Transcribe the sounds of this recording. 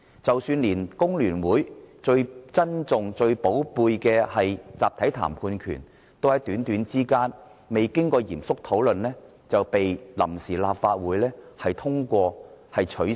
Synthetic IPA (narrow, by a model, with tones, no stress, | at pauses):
t͡sɐ˨˩wsyː˧nliː˨˩nkʊ˥ŋlyː˨˩nwuː˨˥jt͡ʃɵ˧ɥt͡sɐ˥nt͡sʊ˨ŋt͡sɵ˧ɥpo˨˥wpuː˧jkɛː˧hɐ˨jt͡saː˨p̚t̪ʰɐ˨˥jt̪ʰa̰ː˨˩mkʰuː˧nkʰy̰ː˨˩n | t̪o˧whɐ˨˥jt̪yː˨˥nt̪yː˨˥nt͡siː˥kaː˥n | me˨jkɪ˥ŋkɔː˧jiː˨˩msʊ˥k̚t̪ʰo˨˥wlɵ˨nlɛː˥ | t͡sɐ˨wpe˨jlɐ̰˨˩msiː˨˩la̰ː˨p̚faː˧t̚wuː˨˥jlɛː˥hɐ˨jt̪ʰʊ˥ŋkʷɔː˧hɐ˨jt͡ʃʰɵ˨˥